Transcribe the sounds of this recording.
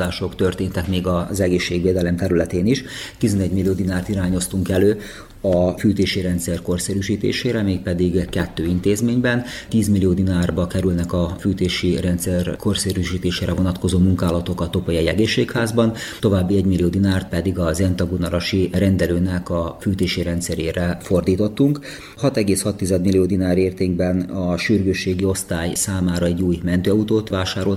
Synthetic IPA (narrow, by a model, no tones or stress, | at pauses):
aːʃo̞kt̪ø̞rt̪eːnt̪ɛkmeːɡɒzɛɡeːʃːeːɡʋeːd̪ɛlɛmt̪ɛɾylɛt̪eːniʃt̪izɛnɛɟmilːijoːd̪inaːrt̪iɾaːɲo̞st̪uŋkɛløː | ɒfyːt̪eːʃiɾɛnt̪sɛrko̞rsɛɾyːʃiːt̪ḛːʃeːɾɛmeːk̚pɛd̪iɡkɛt̪ːøːint̪eːzmeːɲbɛnt̪iːzmilːijoːd̪inaːrbɒkɛɾylnɛkɒfyːt̪eːʃirɛnt̪sɛrko̞rseːɾyʃiːt̪eːʃeːɾɛvo̞nɒt̪ko̞zoːmuŋkaːlɒt̪o̞kɒt̪o̞pojɒjɛ̰ɡeːʃːeːkhaːzbɒnt̪o̞vaːbːiɛɟmilioːd̪inaːrt̪̚pɛd̪iɡɒzɛnt̪ɒɡunɒɾɒʃiɾɛnd̪ɛløːnɛkɒfyːt̪eːʃiɾɛnt̪sɛɾeːɾɛfo̞rd̪iːt̪o̞t̪ːuŋk | hɒt̪ɛɡeːshɒt̪ːizɛd̪milːijoːd̪inaːɾeːrt̪eːŋɡbɛnɒʃyrɡøːʃːeːɡio̞st̪aːjsaːmaːɾɒɛɟːuːjmɛnt̪øːɒut̪oːt̪vaːʃaːɾo̞l